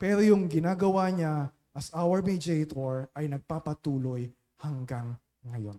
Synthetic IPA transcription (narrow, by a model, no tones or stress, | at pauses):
pɛːɾojʊŋɡɪnaːɡɐwaɲa | ʔɐsʔawɐɹmid͡ʒɛjt̪oɹɐjnɐɡ̚paːpɐt̪uːlo̞j | hɐŋɡaŋː | ɐjo̞̰n